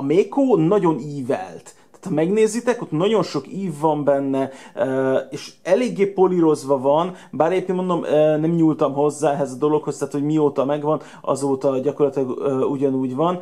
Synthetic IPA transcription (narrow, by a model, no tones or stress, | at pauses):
ɒmeːkoːnɒɟo̞niːvɛ̰lt̪ːaːt̪ʰɒmɛɡneːzit̪ɛkot̪nɒɟo̞nʃo̞kiːvːɒmbɛnːɛøːeːʃɛleːɡːeːpo̞liɾo̞zʋɒvɒn | baːɾɛɟepkeːnmo̞nd̪o̞mønɛmɲuːlt̪ɒmɦo̞zːaːɛɦɛzɒd̪o̞lo̞kho̞st̪aːt̪hoɟmioːt̪ɒmɛɡvɒn | ʔɒ̰zoːt̪ɒɟɒko̞rlɒt̪ilɒɡøːuɟɒnuːɟvɒn